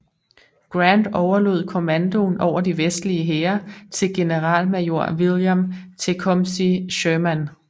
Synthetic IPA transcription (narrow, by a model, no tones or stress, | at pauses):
ɡ̥ʁænd̥ɒʊɐlo̝ð̞̰ˠkʰo̝mænd̥o̝nʔɒʊ̰ɐd̥iʋesd̥liəɦeːɐt͡sʰe̝lɡ̥e̝nəʁɑ̰̈ːlmæjo̝ɐ̰ʋiljæmt͡sʰe̝kʰɒmsiɕøːmæn